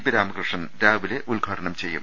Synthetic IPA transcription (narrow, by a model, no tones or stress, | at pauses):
piɾaːmɐkɾɨʂɐnɾaːʋileʔulɡʱaːʈɐɳɐmt͡ɕe̞jːṵm